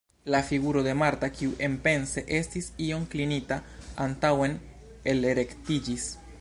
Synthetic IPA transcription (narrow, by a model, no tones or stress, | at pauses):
lafiɡuɾo̞d̪e̞maɾtakiuʔe̞mpe̞nse̞ʔe̞stisio̞mklinitaantawe̞n | eleɾe̞ktid͡ʒis